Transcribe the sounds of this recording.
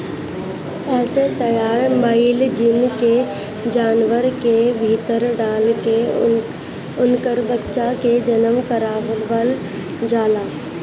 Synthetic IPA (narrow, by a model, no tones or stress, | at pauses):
ɛːset̪ɐjaːɾbaːɪld͡ʒɪnke | d͡ʒaːnʋəɾkebʱit̪əɾɖaːlke | ʊnkəɾbətːʃaked͡ʒənəmkəɾaːʋəbəl | d͡ʒaːlaː